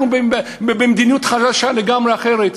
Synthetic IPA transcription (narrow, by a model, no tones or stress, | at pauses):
ub | bebemd̪inijut̪χaʃaʃaleɡamʁeaχeʁet̪